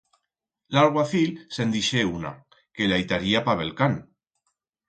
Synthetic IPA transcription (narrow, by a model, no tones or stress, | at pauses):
laɾɣwaθilsend̪iʃeuna̰ | kelajt̪aɾiapaβelkan